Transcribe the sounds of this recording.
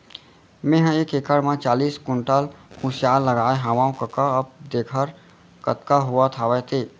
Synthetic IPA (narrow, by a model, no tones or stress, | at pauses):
mẽɦə̃eːkekəɽmãt͡ʃaːliːskʊɳʈəlhũsjaːlːəɡaːeɦaʋãːũkəkaəb̚d̪eːkʰəɾ | kət̪kaɦʊat̪ʰaːʋɛt̪ʰeː